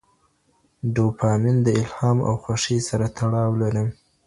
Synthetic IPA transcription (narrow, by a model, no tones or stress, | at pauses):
ɖopʰɑmɪnd̪əɪlhɑma̰wxwaʂisaɾat̪ʰaɽɑwlaɾəm